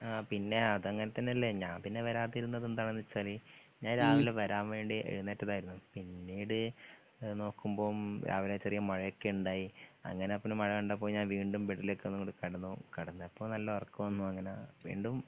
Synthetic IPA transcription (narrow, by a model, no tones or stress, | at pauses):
apinːe̞ɐðɨɐŋːɐnet̪ːɐnːeɐlːeɲaːmpinːe̞ʋɐɾaːt̪ːiɾunːɐðent̪ɐɳɐnːit͡ɕːaːli | ɲaːnɾaːʋileʋɐɾaːmʋe̞ːɳɖiḛɻunːetːɐðaːjiɾunːupinːiːɽɨ | no̞ːkːumbo̞ːmɾʔa̰ːʋilaːt͡ɕːerijɐmɐɻɐjokːeuɳɖaːjiɐ̰ŋːɐneɐpːɐnumɐɻɐjuɳɖɐp̬ːoːɲaːnʋiːɳɖumbeɽːiloːkːenːuŋːoɽɨkɐɽɐnːukɐɽɐnːɨɐpːoːɭnɐlːɐʋɐrkːuʋɐnːuɐŋːɐneʋḭːɳɖum